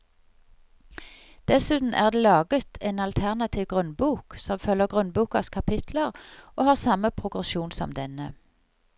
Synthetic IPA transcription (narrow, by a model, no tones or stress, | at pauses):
d̪̥ɛsʉːt̪n̩ʔæ̰ːʁd̪eːlɑːɡət̪ʰeːnɑlt̪ʰæʁnɑt̪ʰiːʋɡʁʉnbuːksɔmfœlːəɡʁʉnbuːkɑskʰɑpʰɪt̪ʰləʁoːhɑːʁsɑməpʰʁʊɡʁɛʃuːnsɔ̰md̪ɛnə